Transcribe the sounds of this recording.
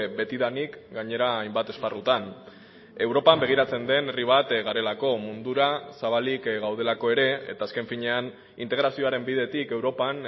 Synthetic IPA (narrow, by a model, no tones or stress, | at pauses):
be̞t̪iðanikɡaɲe̞ɾaːjmbat̪e̞sparut̪an | e̞wɾo̞pambe̞ɣ̞iɾat͡se̞nd̪e̞ne̞riβ̞at̪ɣaɾe̞lako̞mund̪uɾasaβ̞alikɣawð̞e̞lako̞e̞ɾe̞ḛt̪aːske̞ɱfiɲe̞an | int̪e̞ɣɾasio̞aɾe̞mbiðe̞t̪ike̞wɾo̞pan